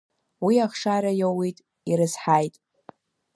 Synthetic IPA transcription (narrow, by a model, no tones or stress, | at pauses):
wiaχʂaɾajowitʼ | iɾɨzħajtʼ